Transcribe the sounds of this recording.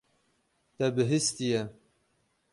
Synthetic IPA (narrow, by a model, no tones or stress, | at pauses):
t̪ɛbɨɦɨst̪ijɛ